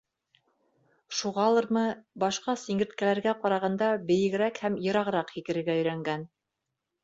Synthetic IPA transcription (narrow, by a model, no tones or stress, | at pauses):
ʃuʁɑlˠɤɾmɤbɑʃqɑsiŋɡɘ̆ɾt̪̚kælæɾɡæqɑɾɑʁɑnd̪ɑbɘ̆jɘ̆ɡɘ̆ɾækhæmjɤ̆ɾɑʁɤ̆ɾɑqhikɘ̆ɾɘ̆ɾɡæɵ̆jɾæŋɡæn